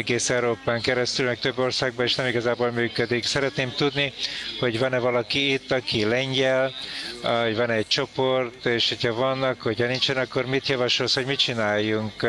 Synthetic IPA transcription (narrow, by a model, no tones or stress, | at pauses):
ɛɡeːsɛwɾoːpaːŋkɛɾɛst̪ylmɛk̚t̪øbːo̞rsaːɡ̚bɒeʃnɛmiɡɒzaːboːlmyːkød̪iksɛɾɛt̪neːmt̪ud̪niho̞ɟvɒnɛvɒlɒkiːt̪ːɒkilɛɲɟɛl | ɟvɒnɛːc̚t͡ʃo̞po̞rt̪eːʃho̞chɒvɒnɒkhochɒnint͡ʃɛnɒkːo̞rmit̪jɒvɒʃolshoɟmit͡ʃinaːjːuŋk